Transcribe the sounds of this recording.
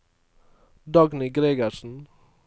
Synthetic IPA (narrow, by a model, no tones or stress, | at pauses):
d̪ɑɡnɪɡɾeːɡəʃn̩